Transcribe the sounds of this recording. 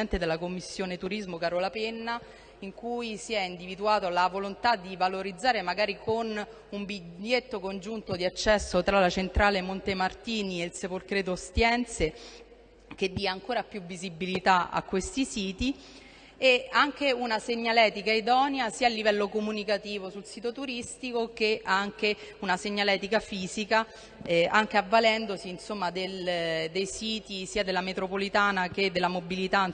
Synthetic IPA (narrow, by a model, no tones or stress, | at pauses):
ɛnt̪ed̪elːakomːisːjoːnet̪uɾizmokaːɾolapenːa | iŋkujsiɛind̪ivid̪uaːt̪olavolont̪ad̪ːivaloɾid̪zːaːɾemaɡaːɾikon | umbiʎːet̪ːokond͡ʒunt̪od̪iat͡ʃːɛsːot̪ɾalat͡ʃent̪ɾaːlemont̪emart̪iːnielsepolkɾɛːt̪̬ost̪jɛnt̪se | k̟ed̪ːiaːŋkoːɾapjuvːizibilit̪aa̰kːwest̪isiːt̪i | eaŋk̟eunaseɲːalɛːt̪ikaid̪ɔːnjasiːaːlːivɛlːokomunikat̪iːvosulsiːt̪ot̪uɾist̪ikok̟eʔaŋk̟eunaseɲːalɛːt̪ikafiːzika | ɛaŋk̟eavːalɛnd̪osiːnsomːad̪eld̪ejsiːt̪isiːad̪elːamet̪ɾopolit̪aːnak̟ed̪ːelamobilit̪a